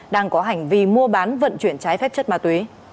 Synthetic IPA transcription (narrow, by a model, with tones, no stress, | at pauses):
ɗaː˧ŋkɔ˨˦ɦa˨˩jŋ̟vi˧˩mu˧əɓaː˨˦nvə̰˧˨nt͡ɕwi˧˩ənt͡ɕaː˨˦jfɛ˦˥p̚t͡ɕə˦˥t̚maː˧˩t̪wi˨˦